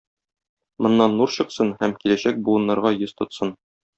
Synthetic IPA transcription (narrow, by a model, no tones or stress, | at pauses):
mŏnːɑnːuɾɕɤ̆qsɤnhæmkilæɕæk̚bulˠɤ̆nːɑɾʁɑjɵzt̪ŏt̪sɤn